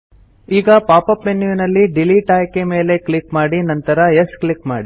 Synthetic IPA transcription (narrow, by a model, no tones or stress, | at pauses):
iːɡɐpaːpɐpːenːjuʋinɐlːiɖiliʈaːjkeme̞ːle̞klikmaːɽinɐnt̪ɐɾɐesklikma̰ːɽi